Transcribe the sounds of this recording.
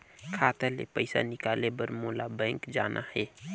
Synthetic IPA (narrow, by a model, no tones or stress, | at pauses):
kʰaːt̪alḛpəɪsa̰nɪkaːlebəɾmolabə̃ːŋkd͡ʒaːnʔa̰hɛ